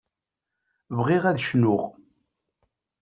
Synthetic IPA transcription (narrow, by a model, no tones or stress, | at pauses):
vʁiʁæðʃnʊʁ